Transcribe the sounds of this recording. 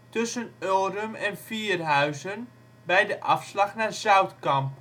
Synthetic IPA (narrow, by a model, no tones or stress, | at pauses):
tɵsənølˠɾəmɛnfiːrɦœɥzən | bɛjdəʔɑfslɑχnaːzœɥtkɑmp